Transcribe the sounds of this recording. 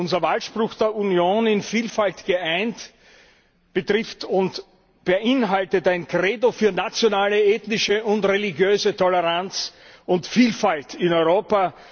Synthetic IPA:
ʊnzɐvalʃpʁʊxd̥eːɐunjoːnɪnfiːlfaltɡ̥əʔæɪnt | b̥ətʁɪftʊnt | b̥əʔɪnɦaltətæɪnkʁeːdofyːɐnat͡sjonaːləeːtnɪʃəʊntʁelɪɡjøːzətʰɔləʁant͡s | ʊntfiːlfaltɪnɔʏʁoːpa

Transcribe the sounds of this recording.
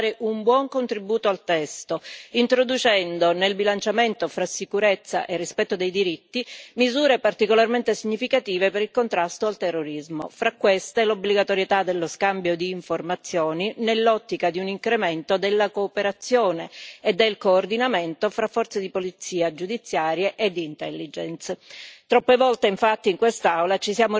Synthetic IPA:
ɾeʔumbwɔŋkont̪ɾibuːt̪oalt̪ɛst̪oint̪ɾod̪ut͡ʃɛnd̪onelbilant͡ʃament̪ofɾasːikuɾet̪sːa̰ʔerːispɛt̪ːod̪ejd̪iɾit̪ːimizuːɾepart̪ikolarment̪esiɲːifikat̪iːvepeɾilkont̪ɾast̪oalt̪erːoɾizmo̰fɾakːwest̪elobliɡat̪oɾjet̪ad̪elːoskambjod̪iːɱformat̪sːjoːninelːɔt̪ːikad̪iuniŋkɾement̪od̪elːakoːpeɾat̪sːjoːneːd̪ːelkoːrd̪inament̪ofɾafːɔrt̪sed̪ipolit̪siːad͡ʒud̪it̪sːjaːɾjeʔed̪ːiːnt̪ɛlːid͡ʒɛnst̪ɾɔpːevɔlt̪eiɱfat̪ːiŋkwest̪awlat͡ʃisjaːmo

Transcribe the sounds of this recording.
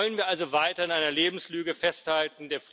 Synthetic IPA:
lənviːɐʔalzovaɪtɐɪnʔaɪnɐleːbm̩slyːɡəfɛsthaltn̩deːɐf

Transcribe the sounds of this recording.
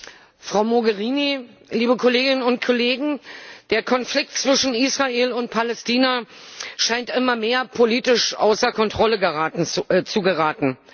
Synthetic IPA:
fʁ̥aʊmoɡəʁiːni | liːbəkʰoleːɡɪnənʊntkʰoleːɡŋ̩d̥eːɐkʰɔnflɪk̚tt͡sv̥ɪʃn̩iːsʁ̥aʔeːlʊnt̚pʰalɛstiːnaʃaɪntʔɪmɐmeːɐpʰoliːtɪʃʔa̰ʊsɐkʰɔntʁ̥ɔləɡəʁaːtn̩t͡suɡəʁaːtn̩

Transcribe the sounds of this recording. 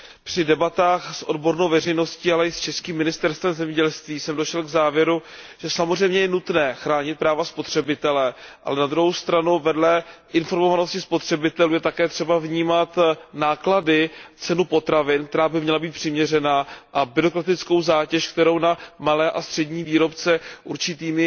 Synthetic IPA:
pr̝̥ɪdɛbat̪aːxsʔo̞̰dbo̞ɾnowvɛrɛjno̞sciːalɛɪst͡ʃɛskiːmːɪnɪst̪ɛɾst̪vɛmzɛmɲɛɟɛlst̪viːsɛmdoʃɛlɡzaːvjɛɾu | ʒ̥ɛsamozrɛjmɲɛjɛnut̪nɛːxɾaːɲɪt̪̚pɾaːvaspo̞t̪r̝̥ɛbɪt̪ɛlɛʔa̰lɛnad̪ɾuɦowst̪ɾanuvɛdlɛʔɪnfo̞ɾmovano̞scɪspo̞t̪r̝̥ɛbɪt̪ɛluːjɛt̪akɛːt̪r̥ɛbavɲiːmat̪naːkladɪt͡sɛnupo̞t̪ɾavɪnkt̪ɛɾaːbɪmɲɛlabiːt̪pr̝̥ɪmɲɛrɛnaːʔabɪɾo̞kɾat̪ɪt͡sko̞wzaːcɛʃkt̪ɛɾo̞wnamalɛːʔast̪r̝̥ɛɟɲiːviːɾo̞pt͡sɛʔuɾt͡ʃɪt̪iːmɪ

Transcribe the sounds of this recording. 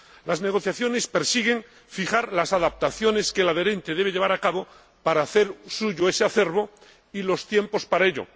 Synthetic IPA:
lazne̞ɣ̞o̞θjaθjo̞ne̞spe̞ɾsiɣe̞ŋ | fiχaɾlasaðap̚t̪aθjo̞ne̞skelað̞e̞ɾe̞nt̪eð̞e̞β̞eʎe̞βaɾakaβo̞ | paɾaːθe̞ɾsuʝoe̞seaθe̞ɾβo̞ | ilo̞st̪je̞mpo̞spaɾaeʎo̰

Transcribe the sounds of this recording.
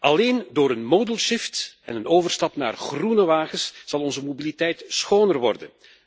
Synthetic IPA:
ɑleːndoːɾənmoːdəlˠʃɪftɛnənoːvərstɑpna̰ːrχrunəʋaːχəsz̥ɑlˠɔnzəmobilitɛjtsxoːnərʋɔrdə̰n

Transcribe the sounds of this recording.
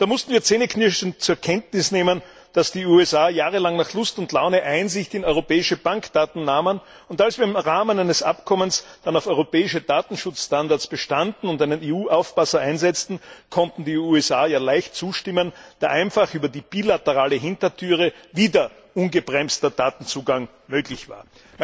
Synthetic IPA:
d̥aːmʊstn̩viːɐt͡seːnəkʰnɪʃn̩t͡suːɐɐkʰɛntnɪsneːmən | d̥asd̥iːuːɛsaːjaːʁəlaŋnaːχlʊstʊntlaʊnəʔaɪnzɪçtɪnɔʏʁopɛːɪʃəb̥aŋkd̥aːtn̩naːmən | ʊntalsv̥iːɐɪmʁaːmənæɪnəsʔa̰pkʰɔmənsd̥anaʊfɔʏʁopɛːɪʃəd̥aːtn̩ʃʊt͡sʃtandaɐt͡sb̥əʃtandn̩ʊntæɪnəneːuːʔaʊfb̥asɐʔaɪnzɛt͡stn̩kʰɔntn̩diːuːɛsaːjaːlæɪçtt͡suːʃtɪmənd̥aːɐʔæɪnfaχyːbɐdiːb̥iːlatəʁaːləɦɪntɐtʰyːʁəviːdɐ | ʔʊnɡəbʁɛmstɐd̥aːtn̩t͡suːɡaŋ | møːɡlɪçv̥a̰ːɐ

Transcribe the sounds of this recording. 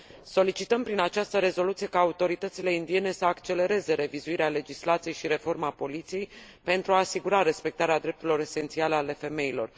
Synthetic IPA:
so̞lit͡ʃit̪əmpɾinat͡ʃast̪əɾe̞zo̞lut̪sije̞kaːut̪o̞ɾit̪ət̪sile̞ind̪ie̞ne̞səakt͡ʃe̞le̞ɾe̞ze̞ɾe̞vizuiɾeale̞d͡ʒislat̪sije̞jʃiɾe̞fo̞rmapo̞lit̪sije̞jpe̞nt̪ɾuaːsiɡuɾaɾe̞spe̞k̚t̪aɾead̪ɾept̪uɾeilo̞ɾe̞se̞nt̪sialəale̞fe̞me̞ilo̞̰r

